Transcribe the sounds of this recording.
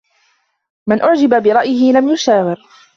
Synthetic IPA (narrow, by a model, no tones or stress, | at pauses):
mɪnʔʊʕd͡ʒɪbabɪɾˤɑʔjɪhɪlamjʊʃaːwɪɾ